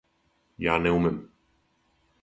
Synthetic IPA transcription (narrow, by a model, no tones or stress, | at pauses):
jaːnɛumɪm